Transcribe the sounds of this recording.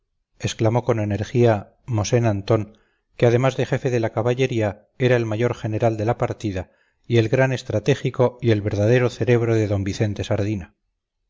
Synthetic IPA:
e̞sklamo̞ko̞ne̞ne̞ɾxia | mo̞se̞nant̪o̞ŋ | keað̞e̞mazðe̞xe̞fe̞ðe̞lakaβaʎe̞ɾia | e̞ɾae̞lmaʝo̞ɾχe̞ne̞ɾald̪e̞lapaɾt̪iða | ie̞lɣɾane̞st̪ɾat̪e̞xiko̞ie̞lβe̞ɾðaðe̞ɾo̞θe̞ɾe̞βɾo̞ðe̞ðo̞mbiθe̞nt̪e̞saɾðina

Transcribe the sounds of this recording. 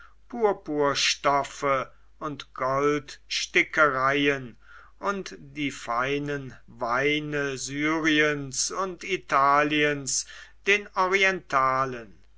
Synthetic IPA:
pʰuːɐpuːɐʃtɔfə | ʊntɡ̥ɔltʃtɪkəʁaɪən | ʔʊntd̥iːfaɪnənvaɪnəzyːʁiənsʊntitʰaːliənsd̥eːnɔʁiɛntʰaːlən

